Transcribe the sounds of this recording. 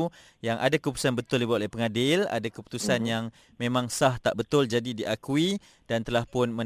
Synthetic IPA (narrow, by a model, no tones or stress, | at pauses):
jaŋʔa̰dakəput̪usanbət̪ʊldibat̪lehpəŋadɪla̰dakəpu̥t̪usanjaŋ | mẽmãŋsaht̪a̰ʔbət̪ʊld͡ʒadidiʔakui | d̥ant̪əlahpʊnmə